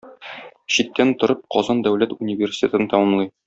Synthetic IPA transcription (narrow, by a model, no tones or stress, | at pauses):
ɕit̪ːænt̪ŏɾɤp̚qɒzɑnd̪æwlæt̪unʲivʲerʲsʲi̥tʲet̪ɤ̆nt̪ɒmɤmlˠɤj